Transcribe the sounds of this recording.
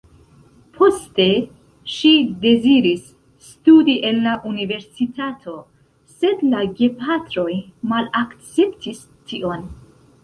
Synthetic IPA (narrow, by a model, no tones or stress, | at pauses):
pʰo̞ste̞ | ʃide̞ziɾisː | tudiʔe̞nlaʔunive̞ɾsitʰatʰo̞ | se̞dlaɡepatɾo̞jmalakt͡se̞ptʰis | tʰiʔo̞n